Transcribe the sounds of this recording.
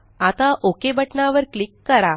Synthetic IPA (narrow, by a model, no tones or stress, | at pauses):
at̪aʔokebəʈɳaʋəɾklikːəɾa